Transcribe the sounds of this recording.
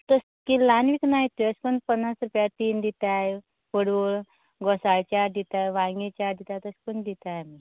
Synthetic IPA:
t̪əs | kilanʋiknaɦit̪iəskunpənːasɾupjat̪iːnd̪it̪aj | fuɽboɭ | ɡɔsaɭt͡ɕaɾd̪it̪ajʋaŋɡit͡ɕaɾd̪it̪at̪əskund̪it̪ami

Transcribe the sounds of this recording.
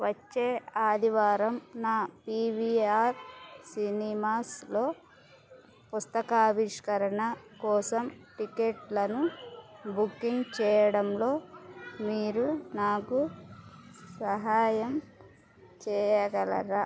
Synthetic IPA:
ʋɐt͡ʃːeːaːd̪iʋaːɾɐmnaːpiːʋiaːɾsinimaːslo̞ː | pust̪ɐkaːbiʂkɐɾɐɳɐkɔːsɐmʈikeʈlɐnubukːiŋɡt͡ʃɛːjɐɽɐmlo̞ːmiːɾunaːku | sɐɦaːjɐm | t͡ʃɛːjɐɡɐlɐ̰ɾa

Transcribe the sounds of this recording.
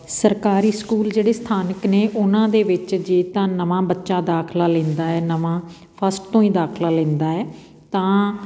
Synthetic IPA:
səɾkaːɾiːskuːld͡ʒeːɽeːst̪ʰaːnəkneːʔʊnãːd̪eːʋɪt͡ʃd͡ʒeːt̪ãːnəʋãːbətːʃaːd̪aːkʰlaːlɛ̃ːnd̪aːɛːnəʋãː | pʰəsʈ̚t̪õːĩːd̪aːkʰlaːlɛ̃ːnd̪aːɛː | t̪ãː

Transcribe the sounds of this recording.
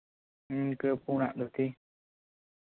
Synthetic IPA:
kɨpuna̰ːŋɗɨək̚t̪ʰi

